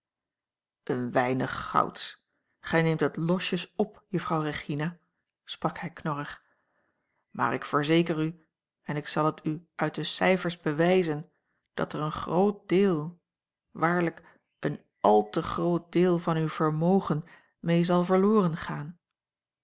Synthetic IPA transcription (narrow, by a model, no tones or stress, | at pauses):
ʔənʋɛjnəχːɑ̰wts | χɛjnejmtɦətlɔʃəsɔpjəfrɑwreχina | sprɑkhɛjknɔrəχ | ma̰ːɹɪkfəɹzejkəry | ɛnɪksɑlˠɦətʰyʔœɥt̚dəsɛjfəɹzbəʋɛjzən | d̥ɑ̰tərənχrowt̚d̥ɪːlˠ | ʋaːɹlək | ʔən | ʔɑlˠtəχrowt̚dɪːlˠvɑnywv̥əɹmowχən | mejzɑlˠvəɹlʊːrənχaːn